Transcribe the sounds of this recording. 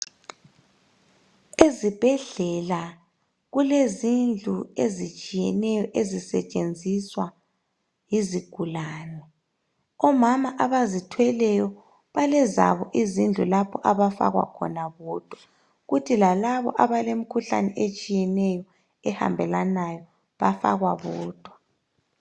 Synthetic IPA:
ezib̥ʱɛɮɛla | ɣulezind͡ɮʱṵezit͡ʃʼijɛnɛjɔʔezisɛ̰t͡ʃʼend͡zʱiswa | jiziɡ̥ʱulaːnɛ | ɔmamaʔaβazitʰwɛlɛjɔ | βalɛza̰βɔʔizind͡ɮʱṵlapʰɔʔaβafa̰ɣwa̰kʰɔ̰naβɔːd̥ʱwa | ɣutʰilalaβɔ̰ʔaβalem̩kʰuɬa̰nɛʔet͡ʃʼijɛnɛjɔ | ɛha̰mbʱɛlanajɔ | βafa̰ɣwaβɔːd̥ʱwa

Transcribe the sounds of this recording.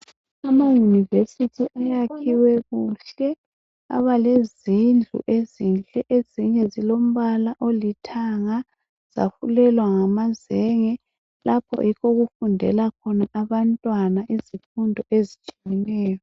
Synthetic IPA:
amajunivesitʰiʔajakʰiwɛɣuɬɛ | a̰βalezind͡ɮʱṵʔezint͡ɬʼɛʔeziɲɛzilom̩βalaʔolitʰaŋa | z̥a̰xulɛlwaŋamazɛŋɛ | lapʰɔ̰jikʰoɣufundʱɛ̰lakʰɔnaʔaβantʼwanaʔizifundʱɔʔezit͡ʃʼijɛnɛːjɔ

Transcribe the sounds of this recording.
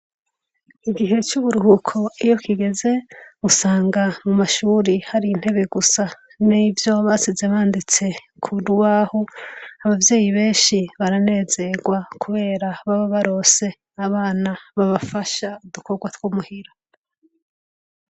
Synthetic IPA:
iɡiɦe̞t͡ʃuβuɾuhukʰo̞ijo̞kʰiɡe̞ze̞usaːŋɡamumaʃuːɾihaɾin̥he̞βe̞ɡusa | nivjo̞βasizeβaːndit͡se̞ | kʰuduwaːhoaβavje̞ːjiβe̞ːnʃiβaɾane̞ːze̞ɡwakʰuβe̞ːɾaβaβoβaɾo̞se̞ | aβaːnaβaβafaʃaud̪uko̞ɡwatwomuhiɾo

